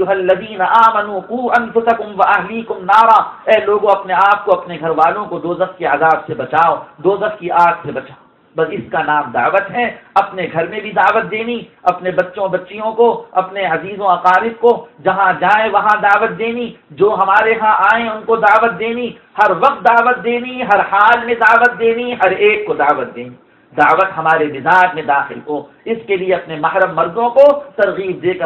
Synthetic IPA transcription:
ʊɦɐlːɐðiːnɐʔaːmɐnuːquːɐ̃nfʊsɐkʊmʋɐʔɐɦliːkʊmnaːɾaːɛːloːɡõɐpneaːp̚koɐpneɡʱɐɾʋaːlõkod̪oːzɐxkeaːzaːbsebɐt͡ʃaːod̪oːzɐfkiaːɡsebɐt͡ʃaːo | bɐsɪskanaːmd̪a̰ːʋət̪ɦɛɐpneɡʱɐɾmẽbʱid̪aːʋət̪̚d̪eːniɐpnebɐtːʃõbɐtːʃijõkoɐpneɐziːzõɐqaːɾɪb̚kod͡ʒɐɦãd͡ʒaːẽʋɐɦãd̪aːʋət̪̚d̪eːnid͡ʒoːɦɐmaːɾeɦãʔaːẽʊnkod̪aːʋət̪̚d̪eːni | hɐɾʋɐqt̪̚d̪aːʋət̪̚d̪eːniɦɐɾhaːlmẽd̪aːʋət̪̚d̪eːniɦɐɾeːkːod̪aːʋət̪̚d̪eːni | d̪aːʋət̪ɦɐmaːɾebɪzaːd͡ʒmẽd̪aːxɪlɦoː | ɪskelieɐpnemɐɦɾəmːɐɾzõkot̪ɐɾɣiːb̚d̪eːkə

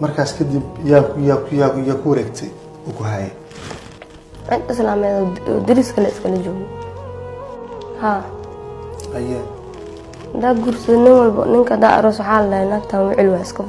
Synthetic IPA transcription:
mɐrkʰaːskʰɐd̪ibjajajajaːkʰʊwɐɾɛːɡt̪ʰɛj | uːkʰʊɦaːjɛ̰ | ʔɪt̪ɪslaːmɛːðɔ̰d̪ɪɾiskʰɐlɛɪskʰɐlɛd͡ʒɔːɡɔ | haː | hɐja | hɐd̪aːɡuːɾsɐðɔnɪnwɐlbɐ̰nɪŋkʰɐd̪a̰ʔɐ̰ɾɔːswɑħɑːlɐdɐhɪnaːɡt̪ʰaːnwɪʕɪlwaɪskʰɐ

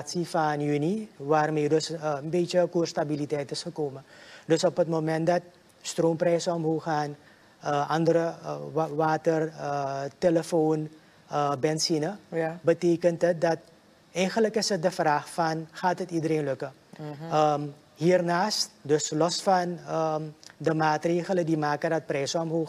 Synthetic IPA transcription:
tsifɑnjyniʋaːrmeːdɵsənbeːt͡ʃəkuːrstabilitɛjtɪsχəkoːmədɵsɔpɦətmomɛnt̚dɑt̚ | stroːmprɛjsəɔmɦoːχaːn | əʔɑndəɾəʋaːtərəteləfoːn | əbɛnsinəbəteːkəntət̚dɑt | ɛjχələkɪsət̚dəfraːχfɑnχaːtətidəɾeːnlɵkə | ə | ɦiːrnaːst̚dɵslɔsfɑnədəmaːtreːχələdimaːkəndɑt̚prɛjzəɔmɦoːx

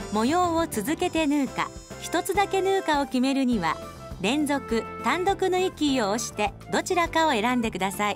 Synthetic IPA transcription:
mo̞jo̞ːot͡sɨzɨke̞t̪e̞nɯːka̰çi̥t̪o̞t͡sɨd̪ake̞nɯːkao̞kʲime̞ɾɯ̟ɲ̟iβa̰ | ɾẽ̞nd͡zo̞kɯ̟t̪ãnd̪o̞kɯ̟noikʲiːo̞ːɕi̥t̪e̞ | d̪o̞t͡ɕiɾakao̞e̞ɾãnd̪e̞kɯ̟d̪asai

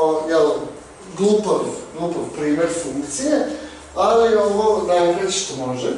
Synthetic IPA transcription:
ojɛl | ɡlˠuːpaʋɡlˠupoʋpɾiːmeɾfuŋkt̪sije | alioʋonajkɾet̪ʃt̪omoʒe

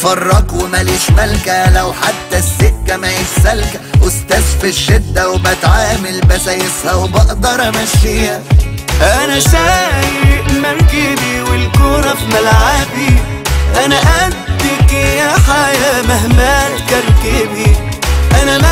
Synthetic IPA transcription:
fɑrˤːɑkwmaliːʃmalkalawħat̪ːasːɪkːamajɪsːalkawɪst̪asfɪʃːɪd̪ːawbat̪ʕaːmɪlbasajɪshawbɑʔd̪ɑɾˤmaʃɪjaʔanaʃaːjɪmaɾˤkiːbiwɪlkʊɾˤɑfmalʕabi | ʔanaʔa | t̪ːikijaħajamahmaːlkɑɾˤkiːbiʔanam

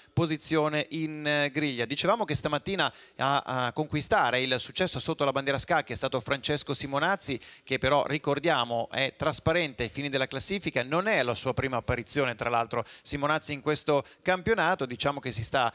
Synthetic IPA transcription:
pozit̪sːjoːneʔinɡɾiʎːad̪it͡ʃevaːmokest̪amat̪ːiːnaakːoŋkwist̪aːɾeilsut͡ʃːɛsːosot̪ːolaband̪jɛːɾaskakːɛst̪aːt̪ofɾant͡ʃeskosimonat̪sːikepːeɾɔrikord̪jaːmoɛt̪ːɾaspaɾɛnt̪eafiːned̪elːaklasːiːfikanonɛlasuːapɾiːmaːpːaɾit̪sjoːnet̪ɾalalt̪ɾosimonat̪siːŋkwest̪o | kampjonaːt̪od̪it͡ʃaːmok̟es̬ist̪a

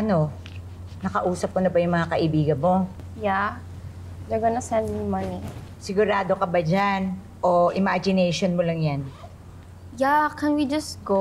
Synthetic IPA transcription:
ʔɐno̞ | nɐkɐʔuːsɐp̚ːkɐnobɐjʊŋmɐŋakɐʔɪbiːɡɐnmo̞ | ja | dɐɡɐnɐsɛ̃nd̪ɪmɐnisɪɡʊɾaːd̪okɐbad͡ʒan | ʔoʔɪmad͡ʒɪnɛjʃonmolɐŋjan | jakɛ̃nwid͡ʒɐsɡo

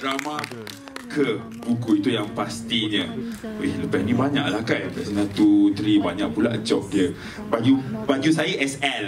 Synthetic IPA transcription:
dɾama | kʰə | b̥uɡuit̪ujaŋpast̪iɲə̃ihləpɛhnĩbaɲa̰ʔlahkanpɛʔsəŋãt̪ut̪ɾibaɲaʔpula̰ʔd͡ʒɔk̚diə | bad͡ʒubad͡ʒus̬aiʔɛsɛl

